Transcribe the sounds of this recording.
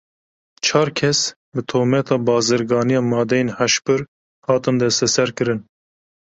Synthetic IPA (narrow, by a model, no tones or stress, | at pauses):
t͡ʃʰɑːɾkʰɛs | bɨt̪ʰoːmɛt̪ʰɑːbɑːzɨɾɡɑːnijɑːmɑːd̪ɛjenhæʃpɨɾ | hɑːt̪ɨnd̪ɛst̪ɛsɛɾkɨɾɨn